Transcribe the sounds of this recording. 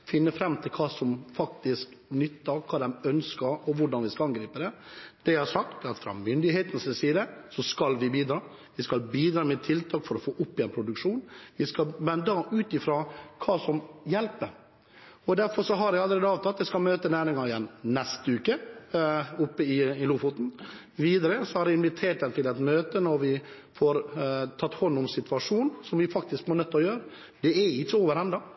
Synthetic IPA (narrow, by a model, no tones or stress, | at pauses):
fɪnːəfɾɛmːt̪ʰɪlkʰɑːsɔmfɑk̚t̪ɪsknʏt̪ːɑkʰɑːd̪ɛmœnskɑɾɔʋʊɖɑnʋɪskɑɑnɡɾiːpəd̪ɛd̪̥ɛhɑɾʂɑk̚t̪ɑt̪fɾɑ̰mʏnd̪ɪɦeːt̪n̩sɪnsiːd̪əsɔskɑlʋɪbiːd̪ɾɑː | ʋɪskɑlbiːd̪ɾɑːmɛt̪ʰɪlt̪ʰɑːkfɔɾɔfoːʔʊpːɪɛɪnpʰɾʊd̪ʉkʂuːnʋɪskɑmɛnd̪ɑʔʉːt̪ɪfɾoːkʰɑːsɔmjɛlpə | ɔd̪æɾfɔɾʂɔɦɑɾɛɡɑlːəɾeːd̪əɑːʋt̪ʰɑt̪ːɛɪskɑlmøːt̪ənæːɾɪŋɑɪjɛnːnɛst̪əʉːkə | ʊpːəɪɪluːfʊt̪n̩ | ʋiːd̪əɾəsɔhɑɾɛɪnʋɪt̪ʰeːʈd̪ɛnt̪ʰɪlɛt̪møːt̪ənɔɾʋɪ | fɔɾt̪ʰɑt̪ːhɔnːʊmsɪt̪ʋɑʂuːnsɔmʋɪfɑk̚t̪ɪskmɔɳœt̪ːɔjøːɾə | d̪ɛɛɪt͡ʃːəoːʋəɾɛnd̪ɑ